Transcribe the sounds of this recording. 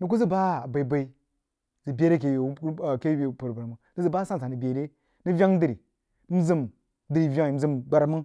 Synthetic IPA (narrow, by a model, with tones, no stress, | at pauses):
nu˨˦k̬u˦zi˦ba˦˨ba˨i˨ba˨i˦ | zi˨bʲe˦ɾe˦ke˨jke˦˨pu˨ɾba˨ɾmu˨nɨ˦zɨ˦ba˦sã˦˨sa˨nɨ˨bʲe˨ɾe˦ | ni˦vʲa˦ŋ˦di˨ɾi˨˦ | m̩˦zi˦m | dɨ˨ɾi˨vʲa˦˨m̩˦zɨ˦˨mɡ͡ba˨ɾmə˦